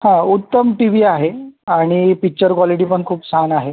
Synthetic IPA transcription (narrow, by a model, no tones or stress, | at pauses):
hãut̪ːəmʈiʋiːaɦeaɽ̃ipik̚t͡ɕəɾkʋɔliʈiːpəɳkʰuːpsanaɦe